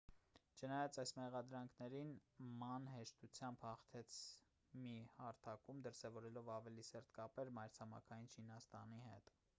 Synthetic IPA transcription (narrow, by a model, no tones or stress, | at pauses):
t͡ʃʰənɑjɑt͡sɑjsmɛʁɑd̪ɾɑŋkʰnɛɾinmɑnɦɛʃt̪ut͡sʰjɑmbhɑχt̪ʰɛt͡sʰ | mihɑɾt̪ʰɑkumd̪əɾsɛvɔɾɛlɔvɑvɛlisɛɾt̪̚ʰkɑpɛɾmɑjɾt͡sʰɑmɑ̰kʰɑjint͡ʃʰinɑst̪ɑ̰nihɛ̰t̪